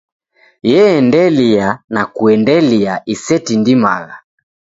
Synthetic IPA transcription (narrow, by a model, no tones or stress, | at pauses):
jɛːndɛlianakuɛndɛliaʔisɛtindima̰ɣa